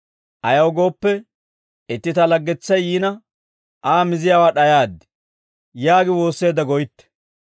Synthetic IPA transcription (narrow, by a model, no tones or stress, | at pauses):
ʔɐjɐwɡo̞ːpːɛ | ɪt̪ːɪt̪ɐlɐɡːɛt͡sːɐjjiːnɐ | ʔaːmɪzɪjaːwaːɗɐjaːd̪ːɛ̥ | jaːɡɪwo̞ːsːe̞ːd̪ɐɡɔjɪt̪ːɛ̥